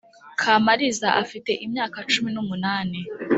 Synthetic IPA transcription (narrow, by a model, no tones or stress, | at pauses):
kʰaːmaɾizaʔafite̞ʔimɲaːkat͡ʃuminumunaːni